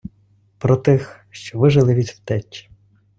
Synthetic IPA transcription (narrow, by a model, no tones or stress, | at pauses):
pɾɔt̪ɪx | ʃt͡ʃɔʋɪʒɪlˠɪʋʲidʲwt̪ɛt͡ʃʲːi̥